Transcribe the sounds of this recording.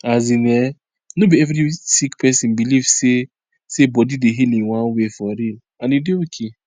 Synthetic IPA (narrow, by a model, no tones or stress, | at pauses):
azine | nobiɛvɾisikpʰɛsĩnbilivse | sebɔdideɦilĩŋwãnwefɔɾin | anideokʰe